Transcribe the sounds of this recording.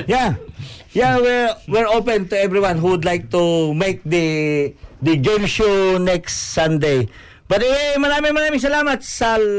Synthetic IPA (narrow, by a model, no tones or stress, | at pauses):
ja | jawiɹwɪɹopɛ̃nt̪ʊɛvɹiwãnɦuwd̪lajk̚t̪umejk̚d̪ɐ | d̪əd͡ʒɛnʃunɛkst̪sãnd̪ej | b̥ɐt̪ɛmɐɾaːmɪŋmɐɾaːmɪŋs̬ɐlaːmɐt̪̚sɐ